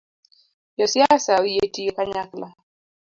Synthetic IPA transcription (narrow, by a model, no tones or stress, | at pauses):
jɔsiasawijetijɔkaɲakla